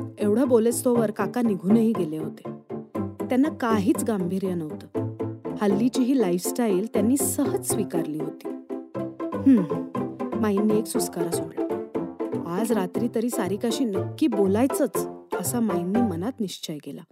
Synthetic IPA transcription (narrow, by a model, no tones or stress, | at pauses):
eʋɽ̤əbolet͡st̪ʰɔʋəɾkakaniɡʱuːnəɦiːɡeleɦot̪e̥ | t̪janːakaɦiːt͡sɡambʱiːɾjanəʋt̪əːhəlːit͡ɕiːɦiːlaifsʈajilt̪janːiːsəɦəd͡zsʋikaɾliːɦot̪iː | hə | majnːieksuskaɾasoɽlə | ad͡zɾat̪ɾiːt̪əɾiːsaɾiːkaɕiːnəkːiːbolajt͡sət͡səsamajnːimənat̪niɕt͡ɕəjkela̰